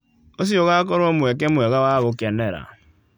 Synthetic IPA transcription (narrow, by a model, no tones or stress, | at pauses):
os̬ioɣakɔɾomuek̬emueɣawaɣʊkeneɾa̰